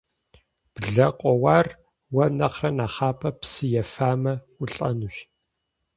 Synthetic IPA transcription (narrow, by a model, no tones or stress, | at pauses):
b̥ɮɐqʷʼɔwaːr | wɐnɐχrɐnaːχaːpʰɐpsɨjɛfaːmɐ | ʊɬʼɐnuʃ